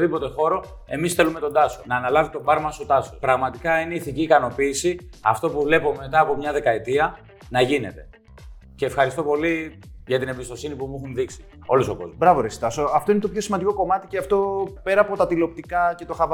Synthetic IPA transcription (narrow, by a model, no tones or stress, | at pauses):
ðipo̞t̪e̞xo̞ɾo̞ | e̞̰misθe̞lume̞t̪o̞nd̪ɐso̞nɐːnɐlɐvit̪o̞bɐɾmɐsot̪ɐsospɾɐɣmɐt̪ikɐineiθiciːkɐno̞piːsiɐft̪o̞puvle̞po̞me̞t̪ɐːpo̞mɲɐðe̞kɐet̪iɐ | nɐʝine̞̰t̪e̞̥ | ce̞ːfxɐɾist̪o̞po̞li | ʝɐt̪inembist̪osinipumuxunðiksi̥ | o̞losoko̞̰zbɾɐvoɾesi̥t̪ɐsoɐft̪o̞inet̪opçosimɐnd̪iko̞ko̞mɐt̪iceɐft̪o̞pe̞ɾɐːpo̞t̪ɐt̪ilo̞p̚t̪ikɐce̞t̪o̞xɐvɐ